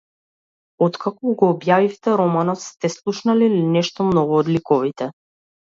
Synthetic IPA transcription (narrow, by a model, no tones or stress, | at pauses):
ɔt̪kakɔɡɔːbjavift̪ɛɾɔmanɔt̪st̪ɛslˠuʃnalilinɛʃt̪ɔmnɔɡuɔd̪likɔvit̪ɛ